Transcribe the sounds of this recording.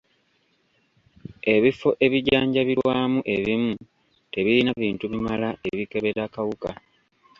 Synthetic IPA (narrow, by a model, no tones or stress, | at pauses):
e̞βifo̞ʔe̞βiɟaːɲɟaβiɾwaːmuʔe̞βimu | te̞βilinaβiːntuβimalaʔe̞βike̞βe̞ɾakawuka